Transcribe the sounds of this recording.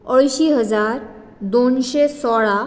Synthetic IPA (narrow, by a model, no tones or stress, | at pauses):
əɭɕiːɦəd͡zaɾ | d̪onɕesɔɭa